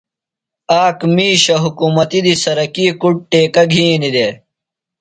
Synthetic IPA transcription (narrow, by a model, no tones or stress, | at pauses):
aːkmiːɕɐɦukuːmɐt̪id̪isɐɾɐkiːkuʈ̚ʈeːkɐɡʱĩːnid̪e